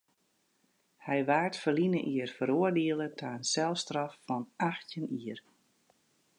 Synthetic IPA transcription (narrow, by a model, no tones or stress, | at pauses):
hɛjʋaːrtfərlinəʔiərfəɾoərdiəlˠətʰaːənsɛlˠstrɔfːɔnʔaxtjəniər